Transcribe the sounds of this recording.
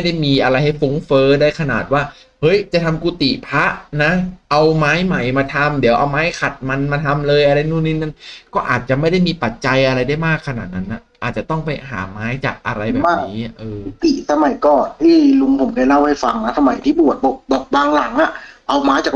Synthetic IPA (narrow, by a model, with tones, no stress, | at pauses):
a˥˩jda˥˩jmiː˧ʔa˧ɾa˧jha˥˩jfo˨˦˥ŋfɤː˦˥daː˥˩jkʰa˧na̰ː˨˩t̪̚waː˥˩ | hɤ˦˥jt͡ɕa˨˩t̪ʰa˧mkuː˧t̪ḭ˨˩pʰa˦˥ʔna˦˥ʔa˧wmaː˦˥jma˨˩jmaː˧t̪ʰa˧md̪i˩˦ʔa̰˧wmaː˦˥jkʰa˨˩t̪̚ma˧nmaː˧t̪ʰa˧mlɤː˧jʔa˧ɾa˧jnuː˥˩ni˧nːa˥˩nkɔː˥˩ʔaː˨˩t̪̚t͡ɕa˨˩ma˥˩jda˥˩jmiː˧pa˨˩t̪̚t͡ɕa˧jʔa˧ɾa˧jdaː˥˩jmaː˥˩kʰːa˧naː˨˩t̪̚na˦˥nʔa˨˩ʔaː˨˩t̪̚t͡ɕa˨˩t̪ɔ˥˩ŋpa˧jɦa̰ː˩˦maː˦˥jt͡ɕa̰ː˨˩k̚ʔa̰˧ɾa˧jbbɛː˨maː˥˩niː˦˥˨ʔɤː˧u˧t̪i˨˩sa˧ma˨˩˦jkɔː˨˩nt̪ʰiː˥˩lu˧ŋpʰo˩˦mka˧˩la˥˩wha˥˩jfa˧ŋna˦˥sʰa˧ma˨˩˦jt̪ʰiː˥˩bu˨˩ət̪̚bɔː˨˧˩bɔː˨˩k̚baː˧ŋla˨˩˦ŋʔa˨˩ʔa˧wmaː˦˥jt͡ɕaː˨˩